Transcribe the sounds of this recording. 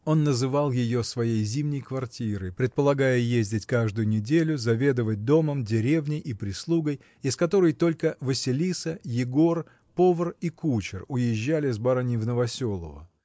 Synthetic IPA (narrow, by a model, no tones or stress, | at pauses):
o̞nːəzɨvɑlˠjɪjo̞svɐjejzʲimnʲɪjkvɐrtʲiɾɨpɾʲɪt̪̚pəlˠɐɡajəjezʲdʲɪtʲkaʐd̪ʊjʊnʲɪdʲelʲʊzɐvʲe̞d̪əvət̚ʲd̪o̞məmdʲɪɾʲe̞vnʲɪjʔipɾʲɪslˠuɡəj | ɪskɐt̪o̞ɾəjt̪o̞lʲkəvɨsʲɪlʲisəjɪɡo̞r | po̞vərikut͡ɕɪrʊjɪʑːælʲɪzbaɾanʲɪvnəvɐsʲo̞lˠə̰və̰